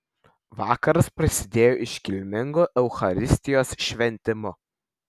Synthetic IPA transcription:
ʋɑːkɐɾɐspɾɐsʲɪd̪ʲeːjoːʔɪʃkʲɪlʲmʲɪŋɡoːʔɛʊxɐɾʲɪsʲt̪ʲɪjoːsʃʲʋʲɛnʲt̪ʲɪmʊ

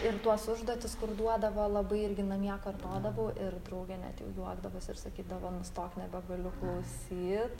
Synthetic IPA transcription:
ɪɾt̪uɔsʊʒd̪uːt̪ʲɪskʊɾd̪uɔd̪ɐʋoːlˠɐbɐɪɪɾʲɡʲɪnɐmʲiɛkɐrt̪oːd̪ɐʋoːʔɪɾd̪ɾɐʊɡʲɛːnʲæ̰ːt̪jɛ̰ʊjuɔɡd̪ɐʋoːsɪrsɐkʲiːd̪ɐʋoːmst̪oːknʲɛbʲɛɡɐlʲʊklˠɐʊsʲiːt̪

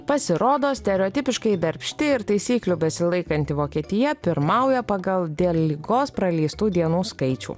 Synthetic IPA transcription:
pɐsʲɪɾoːd̪oːsʲt̪ʲɛɾʲɛɔːt̪ʲɪpʲɪʃkɐɪd̪ɐɾʲpʲʃʲt̪ʲɪɪɾt̪ɐɪsʲiːklʲubʲɛsʲɪlˠɐɪkɐnʲt̪ʲɪʋoːkʲiɛt̪ʲɪjɛpʲɪɾmɐˑʊjɛpɑɡɐlˠd̪ʲeːlʲˠlʲɪɡoːspɾɐlʲiːst̪uːd̪ʲiɛnuːskɐɪt͡ʃʲṵː

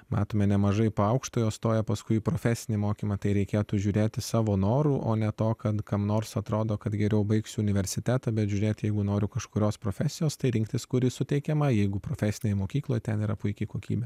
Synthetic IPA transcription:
mɑ̰ːt̪oːmʲɛnʲɛmɐʒɐɪpoːɐʊkʃt̪oːjoːst̪oːjɛpɐskʊɪpɾoːfʲæːsʲɪnʲemoːkʲiːmɐt̪ɐɪɾʲɛɪkʲeːt̪uːʒʲuːɾʲeːt̪ʲɪsɑːʋoːnoːɾuːʔo̰ːnʲɛt̪oːkɐt̪kɐmnoːrsɐt̪ɾoːd̪oːkɐt̪ɡʲɛɾʲɛʊbɐɪksʲʊʊnʲɪʋʲɛɾʲsʲɪt̪ʲæt̪ɐbʲɛt̪ʒʲʊːɾʲeːt̪ʲjɛɪɡʊnoːɾʲʊkɐʃkʊɾʲoːspɾoːfʲæːsʲɪjoːst̪ɐɪɾʲɪŋkt̪ʲɪskʊɾʲɪsʊt̪ʲɛɪkʲɛmɐjɛɪɡʊpɾoːfʲɛːsʲɪnʲejmoːkʲiːklˠoːjt̪ʲɛniːɾɐpʊɪkʲɪkoːkʲḭːbʲɛ

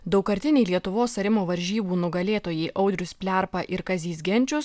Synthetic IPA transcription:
d̪ɒʊkɐɾʲt̪ʲɪnʲɛɪlʲiɛt̪ʊʋoːsɐɾʲɪmoːʋɐɾʲʒʲiːbuːnʊɡɐlʲeːt̪oːjɛɪʔʔɒʊd̪ʲɾʲʊspʲlʲæˑɾpɐʔɪɾkɐzʲiːs̬ɡʲɛnʲt͡ʃʲʊs

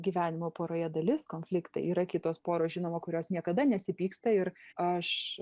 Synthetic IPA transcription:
ɡʲiːʋʲæːnʲɪmoːpoːɾoːjɛd̪ɐlʲɪskoːnʲfʲlʲɪkt̪ɐ̰iːɾɐkʲɪt̪oːspoːɾoːsʒʲɪnoːmoːkʊɾʲoːsnʲiɛkɐd̪ɐnʲɛsʲɪpʲiːkst̪ɐɪɾɐʃ

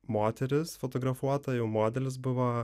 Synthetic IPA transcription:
moːt̪ʲɛɾʲɪsfot̪oɡɾɐfuɔt̪ɐjɛʊmoːd̪ʲɛlʲɪs̬bʊʋɐ

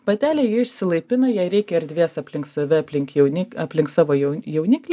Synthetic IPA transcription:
pɐt̪ʲæːlʲɛːjɪɪʃʲsʲɪlˠɐɪpʲɪnɐjɛɪɾʲɛɪkʲɛɪɾʲd̪ʲʋʲiɛsɐpʲlʲɪŋk̪sɐʋʲɪɐpʲlʲɪŋkjɛʊnʲɪɐpʲlʲɪŋksɑːʋoːjjɛʊnʲɪklʲ

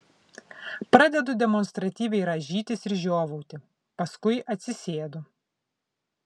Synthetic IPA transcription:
pɾɑd̪ʲɛd̪ʊd̪ʲɛmɔnst̪ɾɐt̪ʲiːʋʲɛɪɾɐʒʲiːt̪ʲɪsɪɾʒʲoːʋɐʊt̪ʲɪ | pɐskʊɪʔɐt̪ʲsʲɪsʲeːd̪ʊ

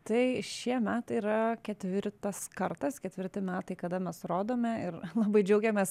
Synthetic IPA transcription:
t̪ɐɪʃʲiɛmʲæːt̪ɐɪɾɐkʲɛt̪ʲʋʲɪɾt̪ɐskɐɾt̪ɐskʲɛt̪ʲʋʲɪrʲt̪ʲɪmʲæːt̪ɐɪkɐd̪ɐmʲɛsɾoːd̪oːmʲɛɪɾlˠɑːbɐɪd͡ʒʲɛʊɡʲɛmʲeːs

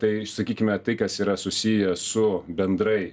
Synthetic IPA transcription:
t̪ɐɪsɐkʲiːkʲɪmʲɛt̪ɐɪkɐsiːɾɐsʊsʲiːjɛsʊbʲɛnd̪ɾɐɪ

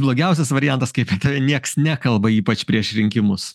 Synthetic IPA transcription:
blˠoːɡʲɛʊs̬ʲɛsʋɐɾʲɪjænt̪ɐskɐɪpʲɐt̪ɐʋʲɛnʲiɛksnʲækɐlˠbɐiːpɐt͡ʃpʲɾʲiɛʃɾʲɪŋʲkʲɪmʊs

